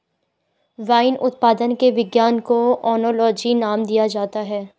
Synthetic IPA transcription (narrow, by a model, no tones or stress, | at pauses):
ʋaːɪnʔʊt̪̚paːd̪ənkeʋɪɡjaːnkoɔːnoːlɔːd͡ʒinaːmd̪ijad͡ʒaːt̪aɦɛː